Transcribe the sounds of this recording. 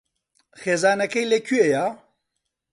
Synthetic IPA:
xeːzaːnɛkɛjleːkʰyejaː

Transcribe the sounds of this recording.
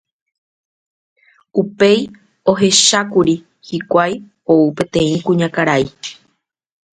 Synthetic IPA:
upe̞j | oɦe̞ʃakuɾi | hikʷaj | o̞upẽ̞t̪ẽ̞ĩkũɲãkaɾai

